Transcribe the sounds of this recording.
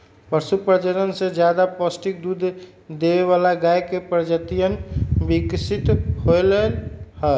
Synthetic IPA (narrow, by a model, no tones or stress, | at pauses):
pəɾsupɾəd͡ʒəɾənsẽd͡ʒjad̪apəsʈik̚d̪ud̪ʱ | d̪eβeβalaɡajkepɾəd͡ʒət̪ijənbiksit̪ɦoləlhə